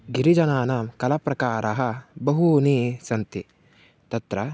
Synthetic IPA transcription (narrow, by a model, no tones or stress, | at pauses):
ɡiɾid͡ʒɐnaːnaːmkɐlɐpɾɐkaːɾɐɦɐ̆bɐɦuniːsɐnt̪i | t̪ɐt̪ɾɐ